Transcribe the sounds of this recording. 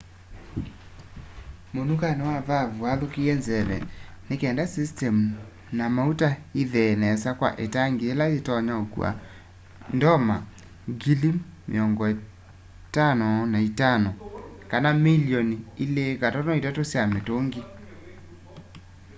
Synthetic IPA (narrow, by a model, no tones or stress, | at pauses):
monukanewavavuaðokiɛnzɛβɛ̰nekɛːndasistɛmu | namautaiðɛnɛsakwa̰ʔetaŋɡeelaetɔɲaokw̰a̰ | ndɔma | ɡilimḛɔŋɡɔe | tanɔnaitanɔkanamiliɔniilekatɔnɔitatosjametoŋɡi